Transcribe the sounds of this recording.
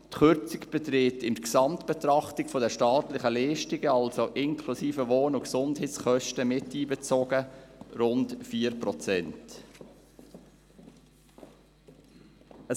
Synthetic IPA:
tχʏɾt͡sɪkb̥ɛt̪ɾɪtɪndksɑmtb̥ɛt̪ɾɑχtɪkfodɛʃtɑːtlɪχəleːʃtɪɡəɑlsoʔɪnkʰlusiːfəvoːnʊksʊndheːtsχœʃtəmɪtːiːbɛt͡soːɡəɾʊntfiːəɾpɾɔt͡sɛnt | ə

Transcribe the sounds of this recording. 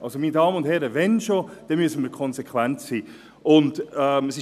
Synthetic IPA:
ʔɑlsomiːnədɑːmənʊndthɛɾəvɛnʃod̥ɛmyəsən̩miːɾkʰɔnzekʰwɛntsiː | ʔʊndɛməsɪ

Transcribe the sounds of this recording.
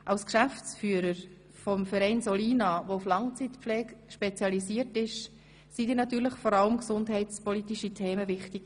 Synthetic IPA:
ʔɑʊskʃæft͡sfyːəɾəɾ | fɔmfɛɾɛɪnsɔliːnɑʋouflɑŋt͡sitpflɛːkʃpɛt͡sjɑlisiːəɾtɪʃ | sid̥iːɾnɑt̪yːɾləχfɔɾɑləmksʊndɦɛɪtspɔlitiʃitʰeːməvɪχtiɡ̥

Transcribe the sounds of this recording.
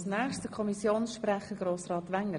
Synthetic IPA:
snɛːχstəkʰɔmisjoːnsʃprɛχəɡɾoːsrɑːt̪ʋɛŋə

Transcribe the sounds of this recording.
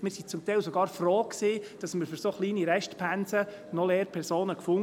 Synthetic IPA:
mɪːɾsit͡sʊmt̪ɛɪlsoɡɑːɾfroːksiːd̥ɑsməɾføɾsoːχliːniɾɛʃtpʰænsə | nɔleːɾpʰɛɾsoːnəkfʊŋ

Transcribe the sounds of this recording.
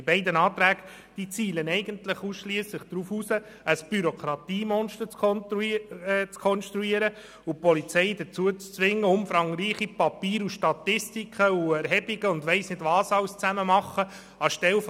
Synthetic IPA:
ɪbɛɪdənɑːt̪ɾæːɡ | d̥it͡siːlənɛɪɡəntləχuːsʃliəsləχd̪̥ɾuːfusə | əsb̥yɾɔkʰɾɑt̪iːmɔnʃtəɾt͡s | t͡skʰɔnʃt̪ɾuiːəɾə | upɔlit͡sɛɪd̥ət͡suət͡st͡sʋɪŋːəʊmfɾɑŋɾiːχipɑpiːɾuʃtɑt̪ɪstikχəuɛɾɦɛbiɡ̥əʊndʋɛɪsnɪdvɑːsɑlst͡sæməmɑχːə | ɑʃtɛlf

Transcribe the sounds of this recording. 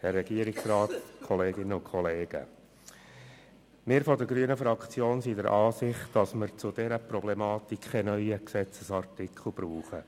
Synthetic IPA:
hɛrːɛɡ̥iəɾɪksrɑːt̪kʰɔleːɡɪnəʊkʰɔleːɡ̥ə̰ | mɪːɾfɔdəɾɡɾyːənəfɾɑkt͡sjoːnsidəɾʔɑːsɪχtd̥ɑsməɾt͡sʊd̪ɛɾəpɾɔb̥lɛmɑːt̪ikχɛnœʏəksɛt͡səsɑrtɪkʰl̩ˠb̥ɾuːχə

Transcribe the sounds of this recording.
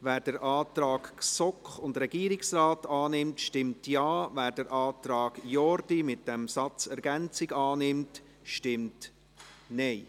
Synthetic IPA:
væːɾd̥əɾʔɑːtɾɑːɡsɔkχʊndɾɛɡiːɾɪksraːtɑːnɪmtʃtɪmtjɑːvæːɾd̥əɾʔɑːtɾɑːɡ̥jɔɾdimɪt̚d̥ɛmsɑt͡sɛɾɡɛnt͡sɪɡɑːnɪmt | ʃtɪmt | nɛɪ

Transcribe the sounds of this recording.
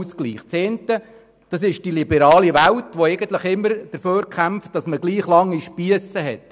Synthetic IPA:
sklḭːχt͡seːntə | d̥ɑsɪʃd̥ilibɛɾɑːliʋæwtʋoɛɪɡənt̪ləχɪmːəɾd̥əɾføːɾkʰæmft̚d̥ɑsməɡliːχlɑŋːiʃpiəsəɦɛt

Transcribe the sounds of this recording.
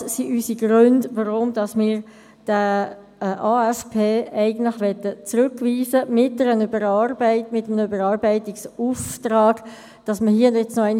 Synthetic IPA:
siʔysiɡ̥ɾʏndʋɑʁʊmd̥ɑsmɪːɾ | d̥ə | ʔɑːɛspʰeːæɪɡən̩tlɪχʋɛtːət͡sɾʉkʋiːzəmɪt̚dɛɾənybəɾɑrbæɪtmɪtːəmənəybəɾɑːɾbɛɪtɪksuːftrɑːɡ̥ | d̥ɑsməɦiːʊndɛt͡snɔæɪn

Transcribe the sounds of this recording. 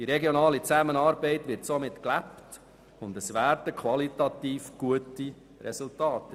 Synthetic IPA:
d̥iɾɛɡjɔnɑːlit͡sæmənɑːɾbɛɪtʋɪɾtsomɪtklæpt | ʊndəsʋæːɾtəkʰʋɑlitɑt̪iːfɡ̥uəti | ɾɛsʊltɑːtə

